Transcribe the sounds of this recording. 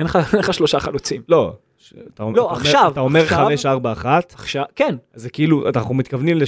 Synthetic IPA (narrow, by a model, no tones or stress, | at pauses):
enχaenχaʃloʃaχalut͡simlo̞ | at̪aoloaχʃavtaomeʁχameʃaʁbaːχat̪aχʃavkenazekiiluʔa̰naχnumit̪kavnimle